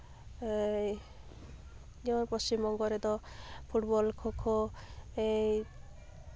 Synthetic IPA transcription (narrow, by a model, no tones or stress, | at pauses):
d͡ʒeɔɾpɔst͡ʃimɔŋɡɔɾed̪ɔpʰuʈbɔlkʰokʰoe